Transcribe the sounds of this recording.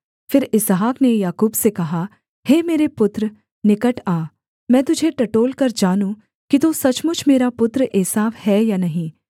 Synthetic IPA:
fɪɾɪsɦaːknejaːkuːbsekɐɦa | heːmeːɾepʊt̪ɾə | nɪkəʈaː | mɛ̃ːt̪ʊd͡ʒʱeʈɐʈoːlkɐɾd͡ʒaːnũ | kit̪osɐt͡ʃmʊt͡ʃʰmeːɾapʊt̪ɾʔeːsaːʋhɛːjaːnɐɦĩː

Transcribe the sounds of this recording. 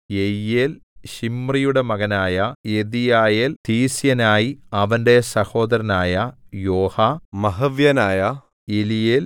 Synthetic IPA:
ejːeːlɕimrijuɽe̞mɐɣɐnaːjɐeðijaːjeːlt̪iːsjɐnaːjiɐʋɐnde̞sɐho̞ːd̪ɐɾɐnaːjɐjo̞ːhamɐɦɐʋjɐnaːjɐ | elijeːl

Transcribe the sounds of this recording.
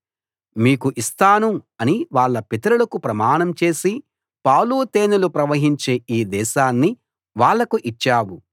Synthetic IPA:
miːkuʔist̪aːnuɐniʋaːɭːɐpit̪ɐɾulɐkupɾɐmaːɳɐmt͡ʃe̞ːsi | pɐːwluːt̪eːnulupɾɐʋɐɦiɲt͡ʃe̞ːʔiːd̪ɛːʃaːnːi | ʋaːɭːɐkuʔit͡ʃːaːwu

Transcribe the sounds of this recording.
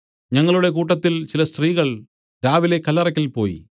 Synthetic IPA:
ɲɐŋːɐɭuɽe̞k̬uːʈ̬ːɐt̪ːilt͡ɕilɐst̪riːɣɐɭ | ɾaːʋile̞kːɐlːɐrɐk̬ʲːɐlpo̞ːjḭ

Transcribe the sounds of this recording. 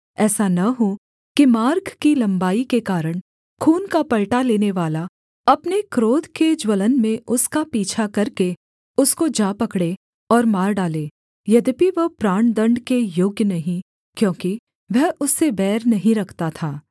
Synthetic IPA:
ɛːsanɐɦo | kimaːɾkʰkilɐ̃mbaːikekaːɾəɽ̃ | kʰuːnkapɐɭʈaleːneʋaːla | ɐpnekɾoːd̪ʱked͡ʒwələnmẽʊskapiːt͡ʃʰakɐɾke | ʊskod͡ʒaːpɐkɽe | ɔːɾmaːɾɖaːleː | jɐd̪piʋɐɦpɾaːɳ̃d̪ɐ̃ɳɖkejoːɡjənɐɦĩ | kjõːki | ʋɛɦʊsːebɛːɾnɐɦĩɾɐkʰt̪at̪ʰaː

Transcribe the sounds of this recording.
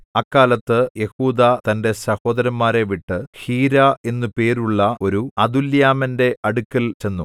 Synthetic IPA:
ɐkːaːlɐt̪ːɨje̞huːd̪aːt̪ɐnde̞sɐho̞ːd̪ɐɾɐmːaːɾe̞ʋiʈːɨhiːɾae̞nːupe̞ːɾuɭːɐo̞ɾuɐd̪uljaːmɐnde̞ɐɽukːɐlt͡ɕe̞nːu

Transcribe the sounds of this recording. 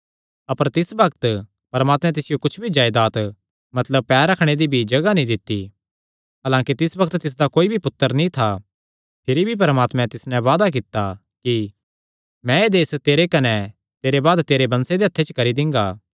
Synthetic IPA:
ɐpəɾt̪ɪsbɐk̚t̪ | pɐɾmaːt̪mɛ̃t̪̬ɪsɪjokʊt͡ʃʰbʱid͡ʒaːɪd̪aːt̪ | mɐt̪ləb̚pɛːɾɐkʰɽ̃ed̪ibʱid͡ʒɐɡanĩd̪ɪt̪ːi | ɦaːlãːkit̪ɪsbɐk̚t̪t̪ɪs̬d̪akoːibʱipʊt̪ːəɾnĩt̪ʰa | pʰɪɾibʱip̬ɐɾəmaːt̪mɛ̃t̪ɪsnɛ̃ʋaːd̪ak̬ɪt̪ːa | ki | mɛ̃eːd̪eːst̪eːɾekɐnɛ | t̪eːɾebaːd̪t̪eːɾebɐ̃nsed̪eɐt̪ʰːet͡ʃkɐɾid̪ɪ̃ŋɡaː

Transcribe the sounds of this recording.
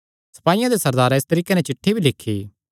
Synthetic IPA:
sɐ̥paːijãd̪esɐɾd̪aːɾɪst̪ɐɾiːkenɛ̃t͡ʃɪʈʰːebʱilɪkʰːeː

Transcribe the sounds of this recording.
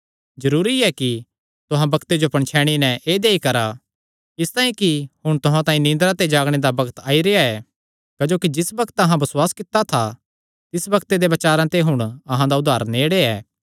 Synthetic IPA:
zɐɾuːɾiɛki | t̪ʊɦãbɐkt̪ed͡ʒopɐ̃ɳt͡ʃʰɛːɽ̃inɛ̃ʔeːd̪eːikɐɾa | ɪst̪ãːĩkihʊɽ̃t̪ʊɦãt̪ãːĩnɪ̃nd̪ɾat̪ed͡ʒaːɡɽ̃ed̪abɐɡət̪aːiɾeaɛ | kad͡ʒoːkid͡ʒɪsbɐkət̪ɐɦãbɐswaːskɪt̪at̪ʰa | t̪ɪsbɐkt̪ed̪ebɐt͡ʃaːɾãt̪eɦʊɽ̃ɐɦãd̪aʊd̪ʱːaːɾneːɽeɛː

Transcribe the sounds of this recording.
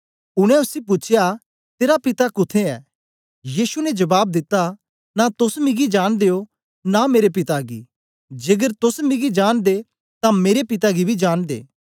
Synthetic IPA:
ʊɽ̃ɛ̃ʊsip̬ʊːt͡ʃʰja | t̪eːɾapɪt̪akʊt̪ʰeɛ̰ː | jiːsunɛd͡ʒɐbaːb̚d̪ɪt̪ːa | nat̪ʊsmɪɡid͡ʒaːɽ̃d̪eːo | nameːɾep̬ɪt̪aɡḭː | d͡ʒeːɡəɾt̪ʊsmɪɡid͡ʒaːnd̪e | t̪ãmeːɾepɪt̪̬aɡibʱid͡ʒaːɽ̃d̪ḛː

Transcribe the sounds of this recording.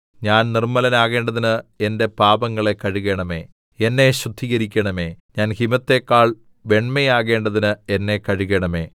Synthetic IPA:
ɲaːnnirmɐlɐnaːɣe̞ːɳɖɐðinɨende̞paːbɐŋːɐɭe̞kːɐɻiɣe̞ːɳɐme̞̰ː | enːe̞ɕrud̪ʱiɣɐɾikʲːɐɳɐmeːɲaːnhimɐt̪ːe̞kːaːɭ | ʋe̞ɳmejaːɣe̞ːɳɖɐðinɨenːe̞kɐɻuɣeɳɐme̞ː

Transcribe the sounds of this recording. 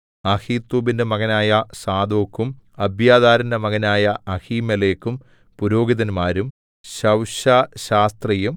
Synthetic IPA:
ɐhiːt̪ːuːbindemɐɡɐnaːjɐsaːd̪o̞ːkːumɐbjaːd̪aːɾɐndɐmɐɡɐnaːjɐɐhiːmɐleːkːum | puɾo̞ːɡiðɐnmaːɾum | ɕɐwɕɐɕaːst̪rɐjum

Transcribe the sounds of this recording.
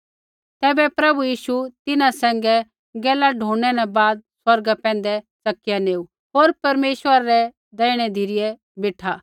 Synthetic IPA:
t̪ɛːbɛpɾɐbujiːʃut̪ɪnãsɛ̃ːŋɡɛ | ɡɛːlaɖʱõːɛnɛ̃baːd̪̚swɐɾɡapɛ̃ːn̆d̪ɛ | t͡sɐkːɪjãneːu | ɦoːɾpɐɾmeːʃwəɾaɾɛ | d̪ɛːɪɽ̃ɛd̪ʱiɾɪjɛ | beːʈʰa

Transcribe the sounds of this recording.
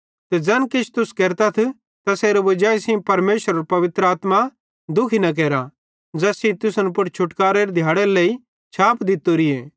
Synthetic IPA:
t̪ɛd͡ʒɐnkɪt͡ʃʰt̪ʊskɛːɾt̪ɐt̪ʰ | t̪ɐseːɾobɐd͡ʒaːisĩpɐɾmeːʃəɾɐɾpɐʋɪt̪ɾəaːt̪ma | d̪ʊkʰinɐk̬ɛːɾa | d͡zɐsĩt̪ʊsnpʊʈt͡ʃʰʊʈkaːɾeɾed̪ʱjaːɽeɾleːi | t͡ʃʰaːpd̪ɪt̪ːoɾieː

